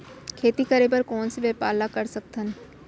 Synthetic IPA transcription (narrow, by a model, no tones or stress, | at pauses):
kʰeːt̪ikɐɾepəɾkɔːnseʋeːpaːlakɐɾsɐk̚t̪ən